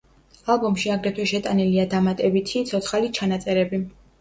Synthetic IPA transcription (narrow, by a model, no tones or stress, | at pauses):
alˠbɔmʃiaɡɾɛt̪ʰwɛʃɛt̪ʼaniliad̪amat̪ʼɛbit̪ʰit̪sʰɔt̪sʰχalit͡ʃʰanat̪sʼɛɾɛbi